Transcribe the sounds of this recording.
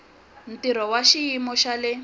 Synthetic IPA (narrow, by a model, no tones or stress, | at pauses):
n̩tiɾɔwaʃiimɔʃalɛ